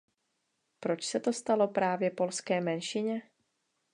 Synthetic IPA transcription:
pɾo̞t͡ʃsɛt̪o̞st̪alo̞pɾaːvjɛpo̞lskɛːmɛnʃɪɲɛ

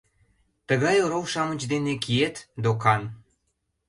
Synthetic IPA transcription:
t̪əɣɑjoɾowʃɑmət͡ɕd̪enekiet̪d̪okɑn

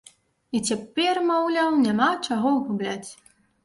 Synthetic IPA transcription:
it͡sʲapʲɛrmawlʲawnʲamat͡ʂaɣɔwɣublʲat͡sʲ

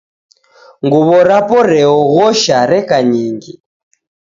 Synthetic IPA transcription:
ŋɡuβɔɾapɔɾɛɔɣɔʃaɾɛkaɲiːŋɡi

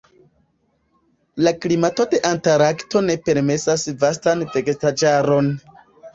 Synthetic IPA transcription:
laklimatote̞ʔantaɾakto̞ne̞pe̞ɾme̞sasvastanvektad͡ʒaɾo̞n

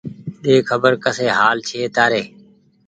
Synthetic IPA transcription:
ɗeːkʰəbəɾkəseːɦaːlt͡ʃʰeːt̪aːɾeː

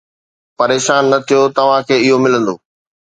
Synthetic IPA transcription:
pɐɾeːʃaːnːɐt̪ʰijot̪ɐʋ̤ãkʰeːɪɦomɪlə̃nd̪o̰ː

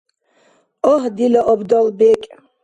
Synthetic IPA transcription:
ɔɦd̪ilaʔɔbd̪ɔlbɛkʼ

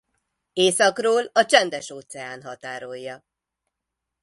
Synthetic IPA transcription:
eːsɒkroːlɒt͡ʃɛnd̪ɛʃoːt̪sɛjaːnɦɒt̪aːɾo̞jːɒ

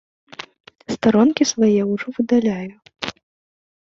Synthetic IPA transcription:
st̪aɾɔnkʲisvajɛwʐɔvɨd̪alʲaju

